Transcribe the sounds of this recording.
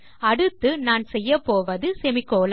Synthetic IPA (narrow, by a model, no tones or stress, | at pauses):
ɐɽɯt̪ːɯnaːnsɛjːɐpːoːʋɐðɯsɛmɪkːoːl